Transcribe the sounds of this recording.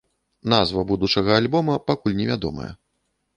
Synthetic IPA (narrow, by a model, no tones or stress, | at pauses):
n̪azvɐbud̪ut͡ʂɐɣɐalʲbɔmɐpakulʲnʲɛvʲad̪ɔ̰mɐ̰jɐ̰